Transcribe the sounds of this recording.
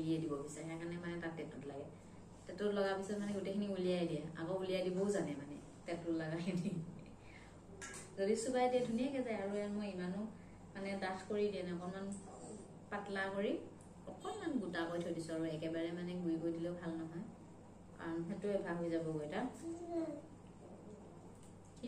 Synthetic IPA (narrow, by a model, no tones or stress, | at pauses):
ɡiɛdibɔbisaɹɛkanɛmanɛtatɛtʊtlaɡɛ | tɛtʊlɔɡapisɔtmanɛɡutekʰiniulijajdijaa̰kɔuliajdibɔʊzanɛmanɛ̰ | tɛtʊlaɡakdi | zodisubajtɛdʱunijakɛzajaɹuamojimanʊ | manɛdaxkoɹidiɛnɛɔkɔnman | patlakoɹi | ɔkʰɔnmanɡutakɔjtʰojdisuaɹuɛkɛbaɹɛmanɛɡujkojdileʊbʱalnɔɦɔj | a̰nɦɛtʊɛbʱaɦojzabɔɡojta